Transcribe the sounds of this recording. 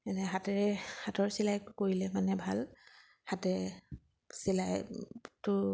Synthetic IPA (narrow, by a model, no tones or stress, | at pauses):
ɛnɛɦatɛɹɛhatɔɹsilajtʊkoɹilɛmanɛbʱal | hatɛ | silajtʊ